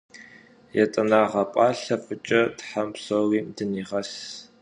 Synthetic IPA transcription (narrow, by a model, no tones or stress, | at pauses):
jɛtʼɐnaːʁɐpʼaːɬɐfʼɨt͡ʃʼɐtħampsoriːmdɨniːʁɐs